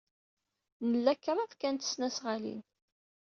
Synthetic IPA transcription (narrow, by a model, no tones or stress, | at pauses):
nəlːækːɾˤɑðkænt̪ə̥snæsʁalḭn